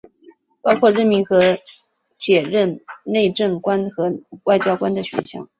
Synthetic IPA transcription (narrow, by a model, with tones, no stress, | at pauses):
pɑ˥ʊkʰwɔ˥˧ɻə˥˩nmi˧˥ŋxɤ˧˥ | t͡ɕjɛ˨˩ɻə˥˧nne˥˧ɪʈ͡ʂə˥˩ŋkwa˥nxɤ˧˥wa˥˩ɪt͡ɕjɑ˥ʊkwa˥nd̪ə˨ɕɥɛ̰˧˥nɕjɑ̰˥˩ʊ